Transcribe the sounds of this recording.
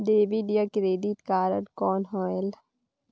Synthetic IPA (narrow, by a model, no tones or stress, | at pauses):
ɖ̪eːʋiɖijakɾeːɖit̪kaːɾənkɔːnɦɔːel